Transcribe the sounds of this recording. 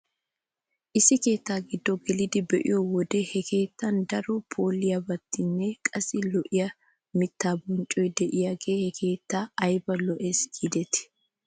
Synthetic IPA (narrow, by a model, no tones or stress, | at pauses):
ʔɪsɪke̞ːt̪ːaːɡɪd̪ːɔɡɛlɪd̪ɪbɛʔɪ̰jɔwɔd̪ɛhɛkʰe̞ːt̪ːɐnd̪ɐɾɔpʰoːlɪjɐbɐt̪ːɪnːɛkʼɐsɪlɔʔɪjɐ | mɪt̪ːaːbɔnt͡ʃʼɔjd̪ɛʔɪjaːɡeːhɛkʰe̞ːt̪ːaːɐjbɐlɔʔeːsɡid̪ɛt̪ɪ̥